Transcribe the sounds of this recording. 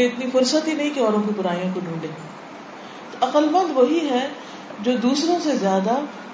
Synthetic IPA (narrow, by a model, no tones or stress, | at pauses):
eɪt̪nifʊɾsət̪ɦinɐɦĩkeɔːɾõkipʊɾaːijõkoɖũːɖẽː | t̪oʔɐqəlmɐ̃nd̪ʋɐɦiɦɛ | d͡ʒoːd̪uːsɾõsezjaːd̪a